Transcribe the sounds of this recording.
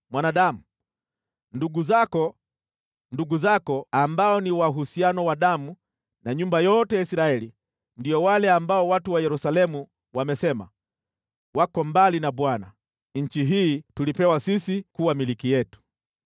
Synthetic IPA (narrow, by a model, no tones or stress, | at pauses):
mwanaɗamu | nduɡuzakɔ | nduɡuzakɔambaɔniwaɦusianɔwaɗamu | naɲumbajɔtɛjaisɾaɛli | ndiɔwalɛambaɔwatuwajɛɾusalɛmu | wamɛsɛma̰ | wakɔmbalinaɓwana | ɲ̩t͡ʃiɦiːtulipɛwasisikuwamilikijɛtu̥